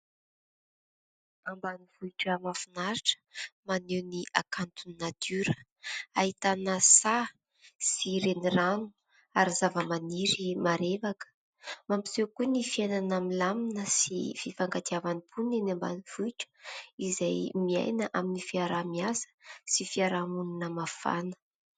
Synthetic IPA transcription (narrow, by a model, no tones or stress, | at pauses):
ambaniv̥uiʈ͡ʂəmafinaɾiʈ͡ʂə̥manewniʔakant̪uninat̪ʰyɾə | aɦit̪anəsa | siɾeniranu̥ | aɾizavəmaniɾimaɾevakə̥ | mampi̥sewkunifienanamilaminəsḭfifaŋɡat̪iavanipunenamba̰niv̥uiʈ͡ʂə̥izajmia̰jnəʔaminifiaɾamiasə̥sifiaɾamuninəmafa̰nə̥